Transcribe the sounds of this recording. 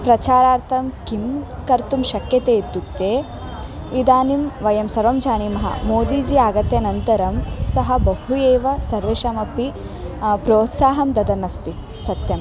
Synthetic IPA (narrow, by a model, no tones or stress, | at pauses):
pɾɐt͡ʃaːɾaːɾt̪ʰɐmkimkɐɾt̪umʃɐkjɐt̪eːt̪ːut̪ːeː | id̪aːnimʋɐjɐmsɐɾʋɐmd͡ʒaːnimɐɦɐ̰moːd̪id͡ʒiaːɡɐt̪jɐnɐnt̪ɐɾɐmsɐɦɐbɐɦujeːʋɐsɐɾʋeʃɐmɐpi | pɾoːt̪saːɦɐmd̪ɐd̪ɐnːɐst̪i | sɐt̪jɐm